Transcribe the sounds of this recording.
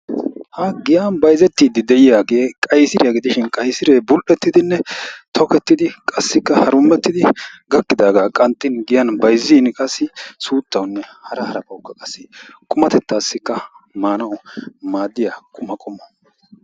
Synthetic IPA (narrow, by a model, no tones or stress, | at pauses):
hɐɡɪjanbɐjzɛt̪ːiːd̪ɪd̪ɛjɪjaːɡe̞ːkʼɐjsɪɾɪjɐɡɪd̪ɪʃɪnkʼɐjsɪɾeːbʊlʔɛt̪ːɪd̪ɪnːɛt̪ʰɔkɛt̪ːɪd̪ɪkʼɐsːɪkːɐhɐɾʊmːɛt̪ːɪd̪ɪɡɐkːɪd̪aːɡaːkʼɐnt̪ːɪnɡɪjɐnbɐjzːiːnkʼɐsːɪsuːt̪ːɐwnːɛhɐɾɐhɐɾɐpɐwkːɐkʼɐsːɪkʼʊmɐt̪ɛt̪ːaːsːɪkːɐmaːnɐwmaːd̪ːɪjakʼʊmɐkʼʊmɔ